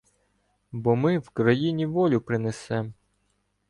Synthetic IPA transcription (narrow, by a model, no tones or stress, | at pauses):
bɔmɪwkɾɐjinʲiʋɔlʲʊpɾɪnesɛm